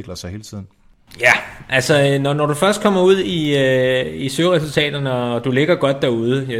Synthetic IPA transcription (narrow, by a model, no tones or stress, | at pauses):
ɡ̥lɐsɑ̈ɪhe̝ːlt͡sʰið̰ˠn̩ | jæʔælsəønɒnɒɾ̥ufɶɐsd̥kʰɒ̽m̰ɐuð̞̰ˠiøisøʁɛsult͡sʰɛ̰ːd̥ɐnəɒ̽d̥ule̝ɡ̥ɐɡ̥ɒ̽d̥ːæɐuð̞ˠə